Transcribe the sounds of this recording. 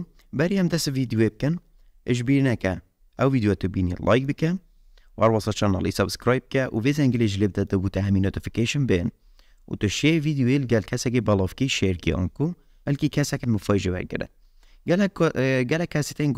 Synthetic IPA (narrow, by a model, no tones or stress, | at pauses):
bɛɾiɛmd̪ɛst̪vid̪joeːb̚kɪn | əʒbiːɾnɛkɛ | ʔɛwviːd̪jot̪ɨbiːnḭlʔɑ̰ːjk̚bɨkɛ | uhæɾwɑsɑːt͡ʃʰɑnɑ̰ːlḭsɐbskɾɑːjb̚kɛʔuvezɛŋɡəleʒəleːbd̪ɛd̪ɨbuːt̪ɛɦɛminoːt̪ɪ̥fi̥keʃənben | ṵt̪ɨʃevid̪ijoelɡɛlkʰɛsɛkebɑlɑːvkiʃeɾkḛʔɑ̰ːnku | bɛlkikʰɛsɛkɛnmɨfɑːjʒewɛ̰ɾɡɨ̰ɾɨ̰ | ɡlɡɛlɛkʰːɛset̪en